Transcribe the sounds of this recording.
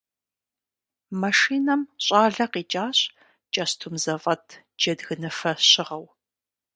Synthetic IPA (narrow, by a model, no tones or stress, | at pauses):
mɐʂiːnɐmɕʼaːɮɐqiːt͡ʃʼaːɕ | t͡ʃʼɐstʰumzɐfʼɐtʰ | d͡ʒɐdɣɨnɨfɐɕɪʁɐw